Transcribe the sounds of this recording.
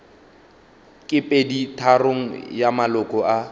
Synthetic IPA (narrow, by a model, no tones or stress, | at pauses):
kʼɪpʼeditʰaroŋ̩jamalɔkʼɔa